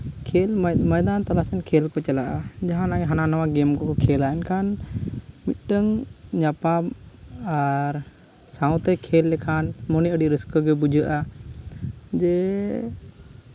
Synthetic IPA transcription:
kʰɛlməjd̪ant̪alasɛnkʰɛlkɔt͡ʃalaʔad͡ʒaɦãnaɦananawaɡɛmkɔkɔkʰɛlaɛnkʰan | mit̪̚ˀʈəŋɲapa | aɾ | saw̃t̪ɛkʰɛlːɛkʰanmɔniəɖiɾiskɔɡɛbud͡ʒəʔa | d͡ʒɛ

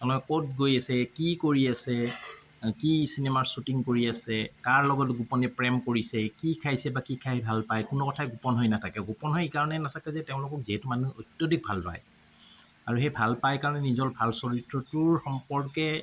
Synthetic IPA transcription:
ɔnɔkot̚ɡojasɛkikoɹiasɛ | kisinemaɹsutiŋkoɹiasɛkaɹlɔɡɔtɡupɔnɛpɹɛmkoɹisɛkikʰajsɛbakikʰajbʱalpajkʊnukɔtʰaɡupɔnɦɔjnatʰakɛɡupɔnɦɔjekaɹɔnɛnatʰakɛzɛteʊ̃lʊkɔkziɦɛtumanuotjodik̚bʱalpa̰j | aɹuxejbʱalpajkaɹɔnɛnizɔlbʱalsɔɹitɹɔtʊɹxɔmpɔɹkɛ

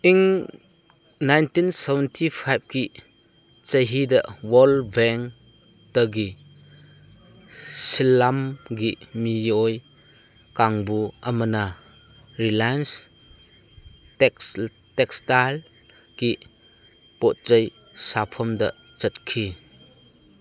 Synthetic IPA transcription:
ʔiŋ | najntinsɛvɛntʰipʰajb̚ki | t͡ʃəjɦidɐʔwɔlbɛŋ | təɡi | silːamɡimijɔj | kaŋbuʔɐmɐna | ɾilajns | tɛkstajl | ki | pɔt̚t͡ʃəj | sapʰɔmdɐ̰ | t͡ʃɐt̚kʰi

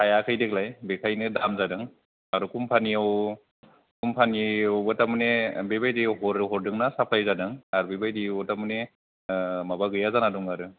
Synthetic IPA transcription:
kʰajakʰɯjdeklajbekʰajnɯdamzadɯŋ | aɾɯkʰumpʰanijaw | kʰumpʰaniɔwbɯtamɯnebebajdiwɦɔɾɦɔɾdɯŋnasapʰlajzadɯŋaɾbebajdibɔtamɯne | mabaɡɯjazanaduŋaɾɯ

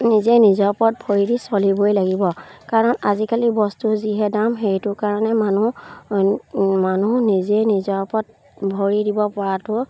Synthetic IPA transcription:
nizenizɔɹpɔt̚bʱoɹidisɔlibojlaɡibɔkaɹɔnazikalibɔstuziɦɛdamxejtʊkaɹɔnɛmanu | manunizɛnizɔɹpɔt̚ | bʱoɹidibɔpɔɹatʊ

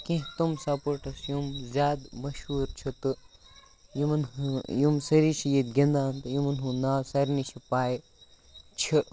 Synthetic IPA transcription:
kĩɦt̪umsɐpoʈʰɐsjumzʲjaːd̪mɐʃhuːɾt͡ʃʰit̪ɨ | jimɐnjumsɐɾiʃʰijit̪̚ɡʲĩnd̪aːnt̪ɨjimɐnɦũnaːsɐɾnit͡ʃʰipaːj | t͡ʃʰi

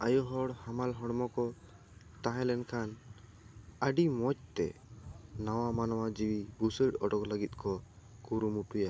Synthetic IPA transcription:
ajɔɦɔɽhamalɦɔɽmɔkɔ | t̪aɦɛ̃lɛnkʰan | əɖimɔc̚t̪ɛ̰ | nawamanɔwad͡ʒiwibusəʈɔɖɔkləɡit̪̚ˀkʰɔ | kuɾumuʈuja

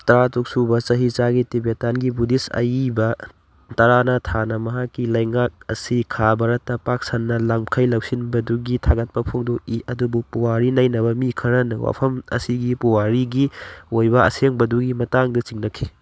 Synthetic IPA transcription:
tɐɾatuk̚subɐt͡ʃɐɦit͡ʃaɡitibetanɡibudisɐ̰jibɐ | tɐɾanɐtʰanɐmɐɦakːilɐjŋak̚ɐ̰sikʰabɐɾɐtːɐpak̚sanːɐlamkʰɐjlɐwsinbɐduɡitʰaɡɐt̚pɐpʰoŋdokiʔɐdubupuwaɾinajnɐbɐmikʰɐɾɐnɐwa̰pʰɐmɐ̰siɡipuwaɾiɡiojbɐɐ̰seŋbɐduɡimɐtaŋdɐt͡ʃiŋnɐkʰi

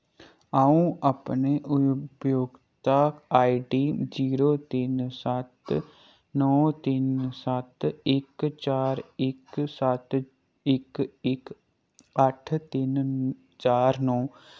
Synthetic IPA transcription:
aũəpneʔʊpjoːɡt̪akaːiɖiːd͡ʒiːɾoːt̪insat̪ | nɔːt̪insat̪ɪkt͡ʃaːɾɪksat̪ | ɪkɪk | əʈʰt̪ɪn | t͡ʃaːɾnɔː

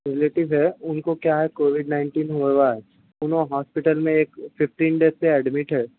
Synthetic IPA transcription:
ɾɪleːʈɪʋɦɛʊnkokjaɦɛkoːʋɪɖnãɪ̃ɳʈiːnɦueʋaːɛd͡ʒ | ʊnɦõɦɔːspɪʈəlmẽeːkpʰɪfʈiːnɖeːseɛɖmɪʈɦɛː

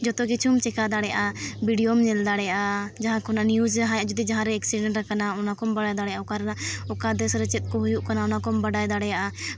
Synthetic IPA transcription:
d͡ʒɔt̪ɔkit͡ʃʰumt͡ʃɛkad̪aɽɛja̰ʔabiɖijomɲɛld̪aɽɛjaʔad͡ʒaɦãkɔnanjud͡ʒɦajaʔd͡ʒud̪id͡ʒaɦãɾɛɛksiɖɛɳʈɾɛkanaɔnakɔmbaɽajd̪aɽɛjaɔkaɾɛnaɔkad̪ɛsɾɛt͡ʃɛt̪̚ˀkɔɦujuʔkanaɔnakɔmbaɖajd̪aɽɛjaʔa

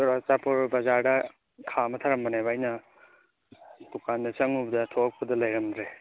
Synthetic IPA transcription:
ɾat͡ʃapʰuɾbɐzaɾdɐ | kʰamɐtʰaɾɐmbɐnajbajnɐ | dukʰandɐt͡ʃɐŋubdɐtʰok̚pɐdɐlɐjɾɐmdɾe

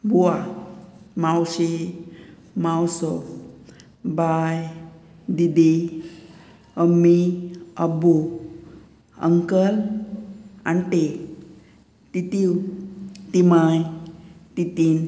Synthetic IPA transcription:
buwa | mawɕe | mawsɔ | baj | d̪id̪e | əmːiəbu | ə̰ŋkəl | a̰nʈe | t̪it̪iw | t̪imajt̪it̪in

